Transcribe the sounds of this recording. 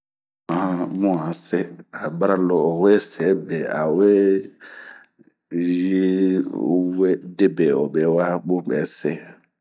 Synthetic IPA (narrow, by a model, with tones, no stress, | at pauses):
a˨a˦mũ˦a˨se˦a˨ba˦ɾa˦lɔ˨o˨we˦sɛ˨˦be˨a̰˨we˦ | ji˦ | we˦de˦be˨o˨be˨˦wa˦ɡ͡bo˦bɛ˨˦se˦